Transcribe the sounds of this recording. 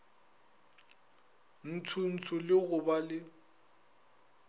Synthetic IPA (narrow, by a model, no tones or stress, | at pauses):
n̩tʰʊn̩t͡sʰʊlɪɣʊbalɪ